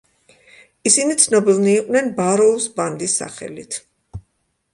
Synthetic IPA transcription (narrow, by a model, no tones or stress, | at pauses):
isinit̪sʰnɔbilˠniːqʼwnɛnbaɾɔusband̪isːa̰χɛ̰lit̪ʰ